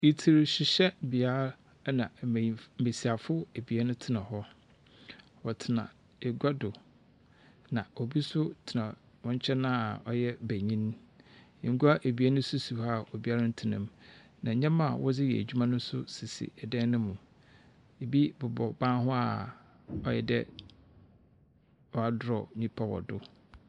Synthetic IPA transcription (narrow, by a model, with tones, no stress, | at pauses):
i˨tʰi˨ɾɕɪ˨ɕɛ˦bi˨a˦ɾ | nã˨e˨si˨a˨fʊ˦e˨bi˨ɛ˦nʊ̃˦tʰɪ˦nã˨ɦɔ˦ | wɔ˨tʰɪ˨nã̰˨ | e˨ɡʷa˦dʊ˨ | nã˨o˨bi˦sʊ˦tʰɪ˨nã˨ | wɔ̃˦ɲ˦t͡ɕʰɛ˦nã˦˨ɔ˦jɛ˦bæ˨ɲĩ˦n | ẽ˨ŋ̩˦ɡu˦a˦ʔe˨bi˨˦a˦nʊ̃˦su˦su˨ha˦˨o˨bi˦a˦ɾa˦n̩˦tʰɪ˨nɪ̃˨mnã˨ɲã˦ma˦˨wɔ˦d͡zɪ˦jɛ̰˨æ̰˨d͡ʑᶣu˦mã˦nʊ̃˦sʊ˦si˨sḭ˨ɛ˨dɛ̃˦nʊ̃˦mũ˨ | e˨bi˦bʊ˨bɔ˨bãː˦ɦʊ˦a˨ | ɔ˦jɛ̰˨dɛ˦ | wɔ˦˨a˦dʊ˨ɾɔ˨ɲĩ˦pʰa˦wɔ̰˨dʊ˦